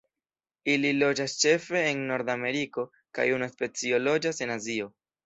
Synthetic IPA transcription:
ililo̞d͡ʒast͡ʃe̞fe̞ːnːo̞ɾdame̞ɾiko̞ | ka̰junaspe̞t͡sio̞lo̞d͡ʒase̞nazio̞

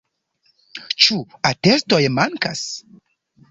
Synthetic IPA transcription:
t͡ʃuatesto̞jmaŋkas

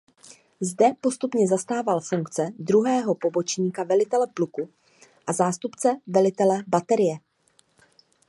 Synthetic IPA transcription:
zdɛpo̞st̪upɲɛzast̪aːvalfuŋkt͡sɛd̪ɾuɦɛːɦo̞po̞bo̞t͡ʃɲiːkavɛlɪt̪ɛlɛpluku | ʔazaːst̪upt͡sɛvɛlɪt̪ɛlɛbat̪ɛɾɪjɛ

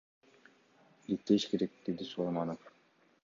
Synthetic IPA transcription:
ɾik̚t̪ːeʃkeɾek̚d̪̥e̞d̪isulˠɑjmɑnof

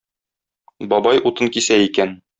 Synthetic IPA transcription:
bɒbɑjʔut̪ɤŋkisæikæn

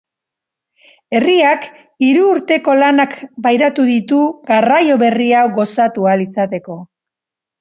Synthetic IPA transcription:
e̞riak | iɾuːɾt̪e̞ko̞lanakbajɾat̪uðit̪uɡarajo̞βe̞riawɡo̞sat̪ualit͡sat̪e̞ko̞

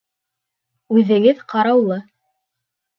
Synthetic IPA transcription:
ʉðɘ̆ɡɘðqɑɾɑwlˠɤ

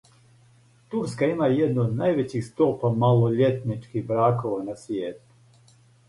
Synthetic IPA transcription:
t̪uɾskaimajed̪nuːd̪najʋet͡ɕixst̪opamaloʎet̪nit͡ʃkixbɾaːkoʋanasʋjeːt̪u̥

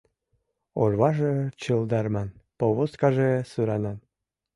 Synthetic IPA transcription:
orβɑʒet͡ɕɯld̪ɑrmɑnpoβoskɑʒesyɾɑnɑn

